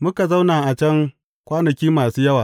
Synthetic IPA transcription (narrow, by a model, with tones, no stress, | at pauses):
mʊ˦ka˨za˦wnaː˨ʔa˨t͡ʃɛ˦ŋ | kʷaː˦nɐ˨kʲiː˦maː˨suː˦jɐ˦waː˨